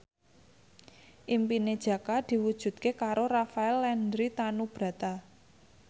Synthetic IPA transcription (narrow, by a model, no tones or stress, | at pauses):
ʔimpined̥ʒ̥ä̤kad̪̥i̤wud̥ʒ̥ṳt̪̚kekaɾorafaɛlːɛndɾit̪anub̥ɾä̤t̪a